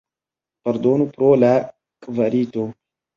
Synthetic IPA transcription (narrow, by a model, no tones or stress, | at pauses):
paɾd̪onupɾola | kvaɾito